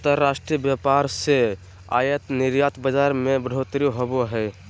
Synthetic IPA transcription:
t̪əɾːasʈɾijəbjapaɾse | a̰jət̪niɾjat̪bəd͡ʒaɾmebəɽ̤ʱot̪ɾiɦoboɦɛɪ

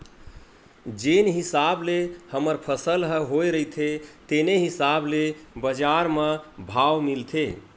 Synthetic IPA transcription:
d͡ʒenɦisablehəməɾpʰəsəlɦəɦojɾəit̪ʰet̪eneɦisablebəd͡ʒaɾməbʱawmilt̪ʰe

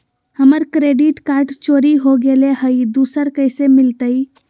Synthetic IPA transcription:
həməɾkɾeɖiʈkaɾɖt͡ʃoɾiɦoɡeleɦəid̪usəɾkəsemilt̪əj

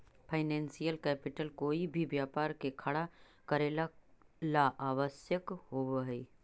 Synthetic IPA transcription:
pʰaɪnɛ̃ːnsijəlkɛːpɪʈəlkoːibʱibjaːpaːɾkekʰɐɽa | kɐɾeːlalaʔaːʋəsjəkɦoːʋɦiː

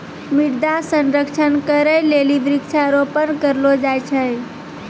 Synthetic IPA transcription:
miɽd̪asənɾəkt͡ʃʰənkəɾəjleliʋɾikt͡ʃʰaəɾopənkəɾlod͡ʒajt͡ʃʰə

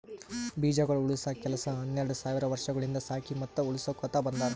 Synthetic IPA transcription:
biːd͡ʒɐɡɐɭuuɭisɐkɛlɐsɐɦɐnːɛɾɐɽusaːʋiɾɐʋɐɾʂɐɡɐɭind̪ɐsaːkʰimɐt̪ːuuɭisoːkɔt̪abɐnd̪aːɾ

